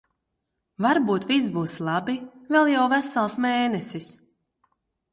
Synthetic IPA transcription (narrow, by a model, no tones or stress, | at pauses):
vaɾbuːt̪vis̬buːslˠɑbivɛlˠjawvæsalˠsmeːnɛsis